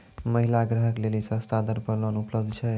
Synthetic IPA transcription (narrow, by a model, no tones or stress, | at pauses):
məɦilaɡɾəɦəklelisəst̪ad̪əɾpəlwənupləbd̪ʱt͡ʃʰɛ